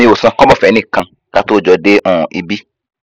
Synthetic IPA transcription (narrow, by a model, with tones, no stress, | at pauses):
ĩ˧˦wo˨sã˧kɔ̃˦bɔ˦˨fɛ˨˦nĩ˦˨kã˧ | ka˦to˦˨d͡ʒɔ˨de˦ʔɔ̃˨ʔi˨bi˦